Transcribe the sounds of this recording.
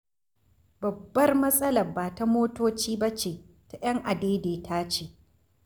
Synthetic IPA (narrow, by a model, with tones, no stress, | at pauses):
bɐ˨bːɐ˦rmɐ˦sʼɐ˦lɐ˨rbaː˨ta˦moː˦toː˦t͡ʃiː˦bɐ˦t͡ʃeː˨ | ta˨jɐ˦ŋʔa˨deː˦deː˨tʰaː˦t͡ʃeː˨